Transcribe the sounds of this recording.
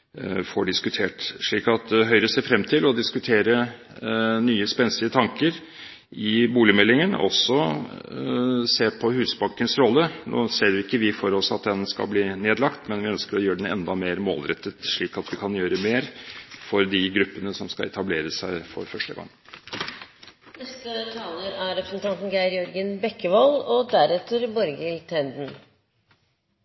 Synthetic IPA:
fɔɖɪskʉt̪ʰeːʈʂɭiːkɑt̪̚d̪ɦœʏɾəsæfɾɛmːt̪ʰɪlɔd̪ɪskʉt̪ʰeːɾə | nyːəspɛnsɪət̪ʰɑŋkəɾ | ɪbuːlɪəmɛlːɪŋənɔ̰sːɔ | seːpʰɔhʉːsbɑŋkənsɾɔlːənʔo̰ːseːɾɪkːəʋɪfɔɾɔsɑt̪̚d̪ɛnskɑ̰lbliːneːd̪lɑkt̪mɛnʋɪœnskəɾɔjøːɖɛnɛ̰nd̪ɑmeːɾmo̰ːlɾɛt̪ːət̪ʂɭiːkɑt̪ʋɪkʰɑnjøːɾəmeːɾfɔɾd̪ɪɡɾʉpːənəsɔmskɑɛt̪ʰɑbleːɾəsæɪfɔ̰ɾfœʂʈə̰ɡɑ̰ŋː | nɛst̪ət̪ʰɑːləɾæɾɾɛpɾɛsnt̪ʰɑnt̪n̩ɡæɪɾjɔɾɡənbɛkːəʋɑlɔd̪æɾɛt̪ːəɾbɔɾɡɪlt̪ʰɛnd̪n̩

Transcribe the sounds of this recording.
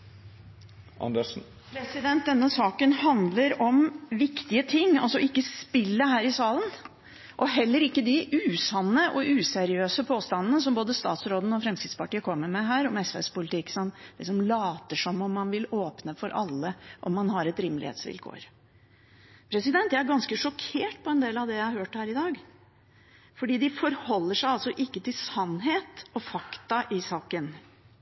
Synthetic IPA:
ʔɑ̰nd̪ə | pʰɾɛsɪd̪ɛnt̪̚d̪ɛnːəsɑːkənhɑnd̪ləɾɔmʋɪkt̪ɪət̪ʰɪŋːɑ̰lsɔʔɪkːəspɪlːəhæːɾɪsɑːlən | ʔɔɦɛlːəɾɪkːəd̪ɪʔʉːsɑnːəʔɔʔʉːsɛɾɪøːsəpʰoːst̪ɑnn̩əsɔmboːd̪əst̪ɑ̰ːt̪sɾoːd̪n̩ɔfɾɛmskɾɪd̪spɑʈiːəkʰɔmːəɾmɛɦæːɾɔmɛsʋɛ̰ːspʊlɪt̪ɪkːsɑnɪksɔmlɑːt̪əʂɔmːɔmːɑnʋɪloːpnəfɔɾʔɑ̰lːəʔɔmːɑnhɑɾɛt̪ɾɪmlɪ̰hḛːt̪sʋɪ̰lkʰo̰ːɾ | pʰɾɛsɪd̪ɛnt̪jææɾɡɑnskəʂɔkʰeːʈpʰɔɛnd̪eːlɑʋd̪ɛjæɪhɑɾhøːʈhæːɾɪd̪ɑːɡ | fɔɖiːd̪ɪfɔɾhɔlːəʂæɪɑlsɔʔɪkːət̪ʰɪlsɑnːɦeːt̪ɔfɑkt̪ɑʔɪsɑːkən

